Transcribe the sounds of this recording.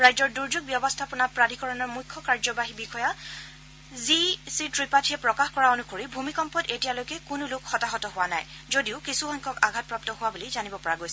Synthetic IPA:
ɹajzɔɹduɹzuɡ̚bjɔbɔstʰapʊnapɹadʱikɔɹɔnɔɹmujkʰːɔkaɹzɔbaɦibixʰɔja | zisitɹipatʰiɛpɹɔkaxkɔɹaonukoɹibʱumikɔmpɔtetijalojkɛkʊnʊlʊkxɔtaɦɔtɔɦʊwana̰j | zodiʊkisuxɔjŋkʰɔkaɡʱat̚pɹap̚tɔɦʊwabulizanibɔpɔɹaɡojsɛ

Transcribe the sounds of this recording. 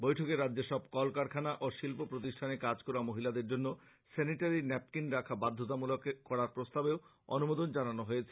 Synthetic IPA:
bojʈʰokeɾadːd͡ʑeʃɔb̚kɔlkaɾkʰanaʔoʃilpopɾot̪̬iʃʈʰanekad͡ʑkɔɾamoɦilad̪eɾd͡ʑonːo | seniʈaɾinɛp̚kinɾakʰabad̪ʱːot̪̬amulokekɔɽaɾpɾost̪abeo | onumod̪ond͡ʑananoɦojet͡ɕʰe

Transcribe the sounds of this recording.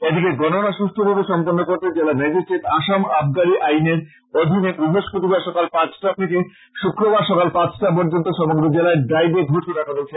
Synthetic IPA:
ed̪ʱikeɡɔnonaʃust̪ʰobot̪oʃɔmponːokoɾt̪ed͡ʑelamɛd͡ʑisʈɾeʈaʃamabʱɡaɾiʔajneɾ | od̪ʱinebɾubʱoʃkot̪ibaɾʃɔkalpãt͡ɕʈat̪ʰeke | ʃukɾobaɾʃɔkalpãt͡ɕʰʈapɔɾd͡ʑont̪oʃɔmoɡɾod͡ʑelaeɖajdeɡʱoʃeɾakʰad̪ot͡ɕʰe

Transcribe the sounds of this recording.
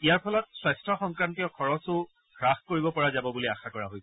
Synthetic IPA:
ijaɹpʰɔlɔtswajstɹɔxɔŋkɹantiɔkʰɔɹɔsʊ | ɡɹaxkoɹibɔpɔɹazabɔbuliaxakɔɹaɦojsɛ

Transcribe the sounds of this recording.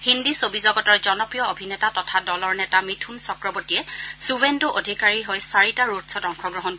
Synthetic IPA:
hindisobizɔɡɔtɔɹzɔnɔpɹijɔobʱinɛtatɔtʰadɔlɔɹnɛtamitʰunsɔkɹɔbotiɛsubendoʔodʱikaɹiɦojsaɹitaɹutsɔtɔŋkʰɔɡɹɔɦɔn

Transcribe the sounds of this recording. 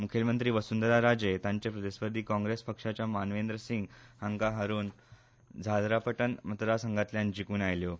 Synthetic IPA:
mukʰelmənt̪ɾiːʋəsund̪əɾaɾad͡ʑet̪ãɲt͡ɕepɾəd̪eɕʋəd̪ʱiːkɔ̃ŋɡɾespəkʂat͡ɕjamanʋend̪ɾəsiŋɡhəŋkaɦəɾuːn | d͡zʱad̪ɾapəʈənmət̪əɾasəŋɡat̪ljand͡ʑikuːnajljo

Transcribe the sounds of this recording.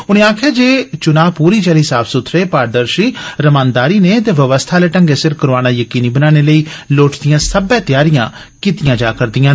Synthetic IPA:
ʊnẽːaːkʰjaːd͡ʒeːt͡ʃʊnaːpuːɾiːt͡ʃaliːsaːpʰsʊt̪ʰɾeːpaːɖəɾʃiːɾəmãːnd̪aːɾiːneːt̪eːʋəʋəst̪ʰaːleːʈəŋɡeːsɪɾkəɾaːnaːjəkiːniːbənaːneːləiːloːʈd̪ɪjãːsəbɛ̃ːt̪jaːɾɪjã̰ː | kɪt̪ɪjãːd͡ʒaːkəɾd̪ɪjãː

